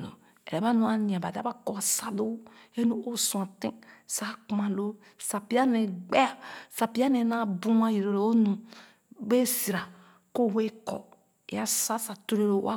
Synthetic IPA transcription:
lo̰˨ | ɛ̰˨ɛ˨ba˦nũ˦a˦nĩ˨a˨ba˨dba˦ko˨a˨sa˦do˦e˦nu˦o˦su˨ã˨tĩ˦sa˦ku˨ma˨lo˦ | sa˨pi˦a˦ne˨ɡ͡be˦a˨sa˨pi˦a˦ne˨˦na˦˨bu˦m˦a˦˨ji˨ɾo˨lo˨o˦nũ˨ | be˦si˨ɾa˨ | ko˦˨we˦kɔ̰˨ | ḛ˨a˦sa˦sa˨to˦ɾe˦lo˨˦a̰˦

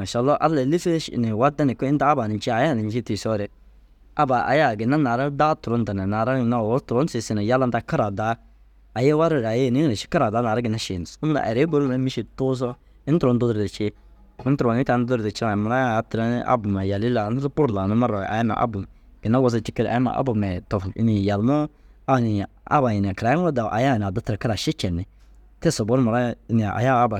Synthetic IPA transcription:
ma˨ʃa˨˦˨lːɔ˦ʔa˦lːa˨li˦fe˦ʃnɪ˨wa˦da˦nɪ˨kɪ˦n˦taː˦ba˨nɪ˨n˦t͡ʃi˦a˨ja˦˨nɪ˨n˦t͡ʃi˦ti˨sɔ˦ɾɪ˦ | a˦ba˨ʔa̰˨ja˦˨ɡɪ˨na˦na˨ɾa˦daː˦tʊ˨ɾɔ˨˦n˦ta˨na˨na˨ɾa˦˨na˦˨˦tʊ˨ɾɔ˦sɪ˨˦sɪ˦na˨ja˦la˦nta˦ka˦ɾa˨da˦ | a˨je˦wa˦ɾɪ˦˨ɾa˨je˦˨nɪ˦na˨ʃi̥˦ka˦ɾa˨daː˨˦na˨ɾa˦ɡɪ˨na˦ʃɪ˨n˨sʊ˦m˦la̰˨ʔɛ̰˨ɾe˦ɡo˦ɾna˦mi˦ʃi˨tʊ˦s̬ɔ˦ | ɪ˦n˦tʊɾɔ˨˦n˦dʊ˦dɾdɪ˨t͡ʃɪ˦ | ɪ˦n˦tɾɔ˨ni˦ta˨n˦dʊ˦ɾde˨t͡ʃi˦a˨ma˨ɾa˦˨˦tɾa˦n˦a̰˦bu˨ma˨ja˨li˦la˨˦n˦ɾu˦pʊ˦ɾla˨nɪ˦ma˦ɾɔ˨a̰˨ja˦mɛ̰˨ʔa̰˦bu˨ | ɡ̥ɪ˨na˦wɔ˨z̬a˦t͡ʃi˦kə˦ɾa̰˨˦ma̰˨ʔa̰˦bʊ˨mɛ˨tɔ˨fɪ̰˦ni˨ja˨lmɔ˦ | a˦˨ni˨a̰˦ba˨ji˨n˨a˨kɾa˨ja˦o˦da˨ʔa̰˨ja˦˨n˨a˨dʊ˦tɾa˨ka˦ɾa˨ʃɪ˦t͡ʃɛ˨nɪ˨ | tɛ˦˨sɔ˨bɔ˦n˦ma˨ɾa˦n˨a˨ʔa̰˨ja˦a˦ba˨

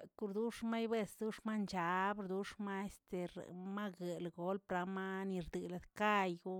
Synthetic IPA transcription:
ku˧ɾd̪u˦ʂma˦jbe˦˧sd̪u˦ʂma˦nt͡ʃa˨˦bɾd̪u˦ʂma˦e˦st̪e˨ɾma˦ɡe˨lɡo˧˦lpɾa˧ma˦ni˧ɾd̪ɨ˨la˨d̪ka˦˧jɡu˦

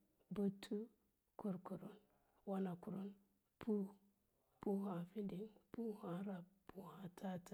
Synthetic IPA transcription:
bu˦tʰːu˦ | ku˨ɾku˨ɾu˦n | wa˦na˨ku˨ɾu˦n | pu˦ | pu˦ɦa˨fi˦ndi˨ŋpu˦ha˨˦ɾa˨bu˦ha˨tʰa˦ta˨

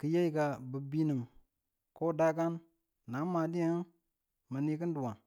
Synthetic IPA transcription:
kə˨je˦i˦ka˨bə˨bi˦nə˨m | ko˦da˦ka˦nː | a˨˦ma˨di˦ja˦n | mə˨ni˦kə˦n˦du˨wa˨ŋ

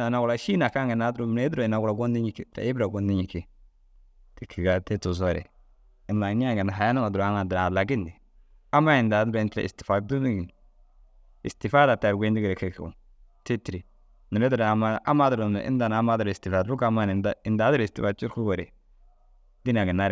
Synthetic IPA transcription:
a˨na˨ɡʊla˨ʃi˦na˨ka˦ŋɡɛ˨na˨˦dɾu˨m˨ne˦dɾo˨ɪ˨na˨ɡʊ˨la˨ɡɔ˦ndɪ˦ɲi˨˦ki˦˨ɾa̰˨ɪ˦bɾa˨ɡɔ˨˦ndɪ˦ɲi˨ki˦ | tɪ˦kʰi˨ɡa˨tɛ˦tu˨s̬ɔ˦˨ɾɛ̰˨ | ɪ˦nla˨ni˦a˦ŋɡɛ˨na˨ɦa˨ja˦na˦ŋa˨dʊ˨ɾa˦ŋa˨dɪɾa˨la˨ɡɪ˦ndɪ˨ | a˦ma˦ɪ˨nda˨dʊ˦ɾa˨tɾa̰˨ɪ̰˨stɪ̥˨fa˨du˦ni˦ɡi˨n | ɪ̰˨stɪ˨fa˦da˨ta˨ɾɡʷe˦ndɪ˦ɡɪ˨ɾɛ˨ki˦kṵ˨ | te˦ti˨ɾi˨ | nɪ˨ɾɛ˦dʊ˨ɾa˨ma˦a˦ma˦dʊ˨ɾo˨m̰˨ʔɪ̰˦n˦da˨na˦ma˦dɾɪ˨stɪ˨fa˨dɾu˦ka˦ma˦n˨nda˦ɪ˨nda˨˦dɪ˦ɾɪ˨stɪ˨fa˨t͡ʃu˦ɾku˦ɡɔ˨ɾɛ˨ | di˦n˨a˨ɡɪ˨na˦ɾ

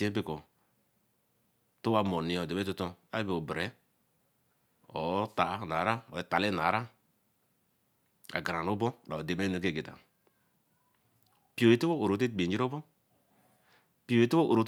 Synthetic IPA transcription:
i˦e˦bi˦kɔ˨ | to˦a˦mo˨ni˨˦ɔ˨de˨be˦tu˦tɔ˦a˦be˨o˨bɾe˨˦ | ɔ̰˨˦ta˨˦na˨˦ɾa˦ɔ˨˦ta˨le˦n˨a˨˦ɾa˦ | a̰˨ɡa˨ɾa˨no˦bɔ˦da˨o˨de˨me˦no˨ke˦˨ɡe˨da̰˨ | pi˦o˨e˨˦tu˦o˦o˨ɾo˨te˦˨ɡ͡be˨˦d͡ʒi˦ɾo˦bɔ˦ | pi˦o˨e˨˦tu˦o˦ʔo˨ɾo˨˦

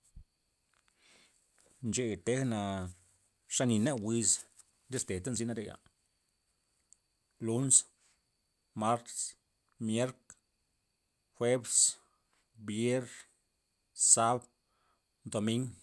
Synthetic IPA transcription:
nt͡ʃe˧˨t̪e˦hna˧ | ʂa˦ni˧nɛ˦ʔwi˧s | ɾe˦st̪e˨t̪a˦nz̬i˧˦na˧ɾe˧ɡa̰˨ | lu˦ns | ma˦ɾt̪s | mje˦ɾk | xʷwʷe˦bs | bje˦ɾ | sa˦b | d̪o˨mi˦ŋ

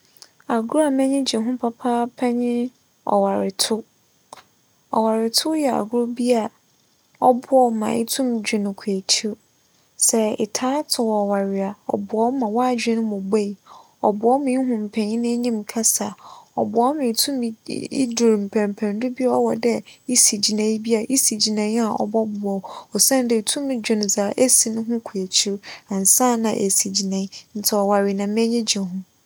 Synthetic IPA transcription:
a˨ɡʊ˦ɾa˨mɛ̃˦ɲɪ̃˦d͡ʑi˨ɦʊ̃˦pʰa˦pʰa˦pʰa˦ɲɪ̃˦ | ɔ̰˨wa˨ɾɪ˨tʰʊ˦ | ɔ̰˨wa˨ɾɪ˨tʰʊ˦jɛ˨a̰˨ɡʊ˦ɾʊ˦bi˦a˨ | ɔ˦bʊ˦ɔ˦mã̰˨ʔɪ̰˦tʰũ˦md͡ʑᶣɪ˨nʊ̃˨kʷʰe˨t͡ɕʰi˦ | sɛ˦ɪ̰˨tʰaː˦tʰʊ˨wɔ˨wa˨ɾɪ˨a˨ɔ̰˨bʊ˨ɔ˦mã˨waː˦˨d͡ʑᶣɪ˦nʊ̃˦mʊ̃˨be˦i˨ | ɔ˨bʊ˨ɔ˦mɪ̃˨˦ɦʊ̃˨m̩˨pʰɛ̃˨nĩ˦nɪ̃˦ɲĩ˦m˨kʰa˦sa˨ɔ̰˨bʊ˨ɔ˦mɪ̃˨tʰũ˦m˨ḭ˦du˨ɾm̩˨pʰɛ̃˨m˨pʰɛ̃˨n˦dʊ˦bi˦ɔ˦wɔ˨dɛ˦i˦si˨d͡ʑi˨nã˨˦i˦bi˦a˨ʔi˦si˨d͡ʑi˨nã˨˦a˨ɔ̰˨bɔ˦bʊ˨ɔ˨ɔ˨sã˦n˨˦dɪ˨tʰũ˦mɪ̃˨d͡ʑᶣɪ̃˨n˨za˨˦ʔe˦si˨nʊ̃˦ɦʊ̃˦kʰu˨æ˨t͡ɕʰi˦ɾã˨n˨sã˦nã˨ʔe˨si˨d͡ʑi˨nã˨˦n̩˨tʰɛ˨ɔ˨wa˨ɾi˨nã˨mɛ̃˦ɲĩ˦d͡ʑi˨ɦʊ̃˦

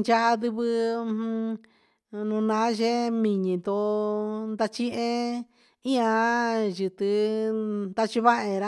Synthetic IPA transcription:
nt͡ʃa˦ʔa˧ðɨ˧βɨ˧ | nũ˧nã˧˦ʒe˦mĩ˨ɲĩ˨nd̪o˧nd̪a˧t͡ʃĩ˦ʔẽ˧ | ĩ˦ã˧ʒɨ˨t̪ɨ˧ | nd̪a˧t͡ʃi˧βa˦ʔẽ˧˨ɾa˦

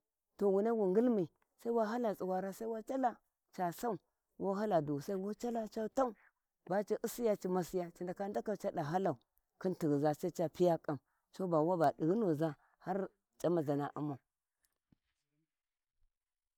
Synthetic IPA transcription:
to˨wu˨na˦ɡu˨ŋɡi˦lmi˨ | sa˦i˦wa˦ɦa˦la˨t͡si˨wa˨ɾa˦sa˦i˦wa˦t͡ʃa˦la˦ | t͡ʃa˨sa˦u˨ | wʔo˦ɦa˦la˨du˨sa˦i˦wo˦t͡ʃa˦la˦t͡ʃa˦ta˦u˦˨ | ba˦t͡ʃi˨˦ʔi˦si˦ja˦t͡ʃi˨ma˦si˦ja˦t͡ʃi˨nda˨ka˦n˦da˦ka˦˨t͡ʃa˦ɗa˨ɦa˦la˨u˨ | ki˦nti˨ɣza˦sa˦t͡ʃa˦pi˦ja˦kʼa˨m | t͡ʃo˦ba˨wa˦ba˨ɗi˨ɡno˨za˦ | ha˦ɾ | t͡ʃʼa˦ma˨za˨na˨ʔṵ˦ma˨u˨

